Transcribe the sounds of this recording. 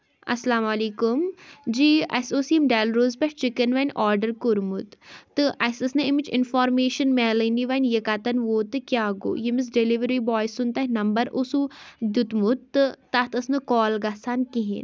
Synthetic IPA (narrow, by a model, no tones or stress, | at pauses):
ɐ̰slaːmaliːkumd͡ʒiːɐ̰soːsijɐmɖɛːlɾoːzpɐʈt͡ʃikənʋɐnʲɔːɾɖəɾkuɾmut̪t̪ːɨʔɐsɐsnɨimit͡ʃɪ̰nfɔːɾmeːʃɐnmɛːləniʋɐnʲjekaːt̪ɐnʋoːt̪ɨkʲjaːɡo̰ːjemis̬ɖeliʋəɾibɔːjsunt̪anɐmbɐɾusud̪ut̪mut̪ːɨːat̪ɐsnɨkɔːlɡasankiɦḭn